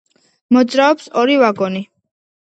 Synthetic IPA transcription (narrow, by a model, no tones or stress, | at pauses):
mɔd̪zɾaɔpsɔɾivaɡɔni